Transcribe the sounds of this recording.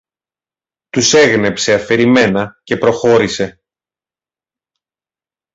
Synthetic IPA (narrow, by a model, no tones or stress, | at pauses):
t̪use̞ɣne̞pse̞ɐfe̞ɾime̞nɐce̞pɾo̞xo̞ɾise̞